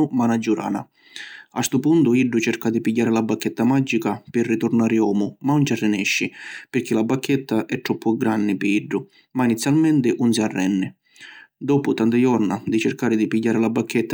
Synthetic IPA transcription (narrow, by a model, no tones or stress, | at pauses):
ʊmanad͡ʒːuɾa̰ːna̰ | a̰st̪ʊpunt̪ʊiɖːʊt͡ʃɛɾkad̪ipiɟːaːɾɪlabːakːɛt̪ːamad͡ʒːikapɪrːit̪ʊrnaːɾɪɔːmʊmaunt͡ʃarːɪnɛʃːɪpɪɾk̟ilabːakʰːɛt̪ːaʔɛʈ̪ːɾɔpːʊɡɾanːɪpɪiɖːʊ | mainit̪sːjalmɛnt̪ɪʔunsiarːɛnːɪ | d̪ɔːpʊt̪ant̪ajɔrnad̪it͡ʃɪrkaːɾɪd̪ipiɟːaːɾɪlabːakʰːɛt̪ːa